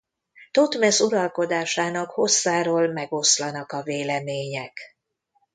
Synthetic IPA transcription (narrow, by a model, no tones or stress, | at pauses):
t̪o̞t̪mɛsuɾɒlko̞d̪aːʃaːnɒkho̞sːaːɾoːlmɛɡo̞slɒnɒkɒveːlɛmeːɲɛk